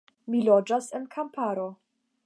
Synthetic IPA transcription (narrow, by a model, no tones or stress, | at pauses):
milod͡ʒasenkʰampʰaɾo̞